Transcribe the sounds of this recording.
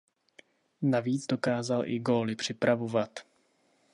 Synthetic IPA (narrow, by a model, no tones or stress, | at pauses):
naviːd͡zdo̞kaːzalʔɪ̰ɡo̞ːlɪpr̝̥ɪpɾavo̞vat̪